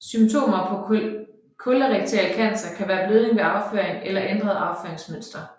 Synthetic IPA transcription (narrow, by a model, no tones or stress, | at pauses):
symt͡sʰo̝̰ːmɐpʰɒ̽ | kʰolɐʁɛɡ̥̚t͡sʰelkʰæn̰sɐkʰæʋæːɐb̥løːðˠeŋʋe̝ɑ̈ʊfø̰ɐ̰eŋelɐʔend̥ʁɐðˠɑ̈ʊfø̰ɐeŋsmøn̰sd̥ɐ